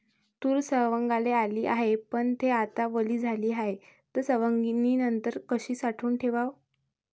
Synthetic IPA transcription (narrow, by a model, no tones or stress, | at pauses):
t̪uːɾsəʋəŋɡalealiːʔaɦepəɳt̪ʰeat̪aʋəliːd͡zʱaliːɦaɦet̪əɾsəʋəŋɡiniːnənt̪əɾkəɕiːsaʈʰuːnʈʰeʋaʋ